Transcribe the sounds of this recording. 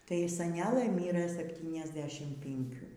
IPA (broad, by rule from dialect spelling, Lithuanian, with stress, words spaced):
ˈtɐɪ sɐˈnʲæːlˠɘ ˈmʲiːrɘ sʲɛpʲˌtʲiːnʲɛzʲˈdʲæːʃʲɪm pʲɪŋʲˈkʲuː